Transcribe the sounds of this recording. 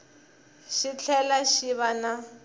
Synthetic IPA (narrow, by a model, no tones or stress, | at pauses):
ʃit͡ɬʰɛlaʃiβana